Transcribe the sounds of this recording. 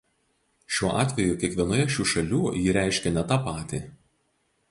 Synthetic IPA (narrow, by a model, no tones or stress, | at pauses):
ʃʲuɔʔɑːt̪ʲʋʲɛjuːˑkʲiɛkʋʲiɛnuːjɛʃʲuːʃɐlʲuːjiːɾʲæˑɪʃʲkʲɛnʲɛt̪ɑːpɑːt̪ʲi